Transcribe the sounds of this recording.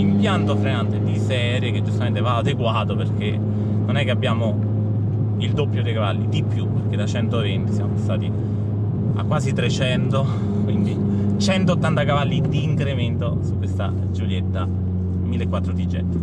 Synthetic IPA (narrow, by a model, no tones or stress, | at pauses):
impjant̪ofɾenant̪ed̪isɛɾjek̟ed͡ʒːust̪ament̪evaːd̪eɡwaːt̪operke | nonɛkːeabːjaːmo | ild̪opːjod̪ejkavalːid̪ipːjupːerk̟ed̪at͡ʃɛnt̪ovent̪isjamopasːaːt̪i | a̰kːwaːzit̪ɾet͡ʃɛnt̪o | kwind̪i | t͡ʃɛnt̪oot̪ːant̪akavalːid̪iːŋkɾement̪osukwest̪a̰ | d͡ʒuljet̪ːa | milːekːwat̪ːɾot̪id͡ʒːɛ̰t̪ːe̥